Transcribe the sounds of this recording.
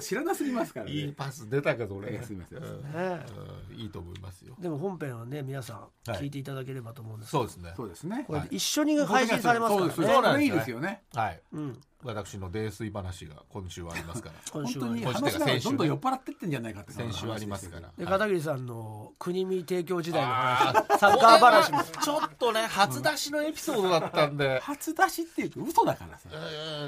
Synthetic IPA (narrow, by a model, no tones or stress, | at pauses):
ɕiɾanasɨmʲimasɨ̥kaɾaiːpasɨd̪e̞t̪ake̞d̪oɾesɨimasḛ̃ːne | iːt̪o̞ːmo̞ḭma̰sɨjo̰d̪e̞mo̞ɦõ̞mpẽ̞ɰ̃ane̞mʲinasã | kʲiːt̪̬e̞it̪ad̪ak̬e̞ɾe̞bat̪oːmo̞ɯ̃nd̪so̞ːd̪esɨnesoːd̪esɨnekoɾeiɕːo̞ɲ̟ihaiɕĩsaɾe̞masoːdaeɾeonaeiːd̪esɨjonehaiɯ̃ | βat̪akɯ̟̥ɕino̞d̪e̞ːsɨibanaɕiɡa̰kõ̞ɕɨːβa̰ːɾʲima̰ɨ̥kaɾa̰kõõnːoɲĩnaaẽd̪õnd̪õjo̞pːaɾat̪ːe̞t̪ːẽɲ̟d͡ʑanaikat̪ːeksẽɕɨːaɾʲimasɨ̥ka̰ɾa̰d̪ekat̪aɡiɾʲis̬ãnːo̞kʰɯɲ̟imʲit̪e̞ːk̬ʲo̞ːd͡ʑid̪ainohanasakaːbanaɕit͡ɕo̞t̪ːo̞ne̞hat͡sɨd̪aɕino̞e̞pʲi̥so̞ːd̪o̞d̪at̪ːãnd̪e̞hat͡sɨd̪aɕit̪ːejɯkaɯ̟sod̪aka̰ɾa̰s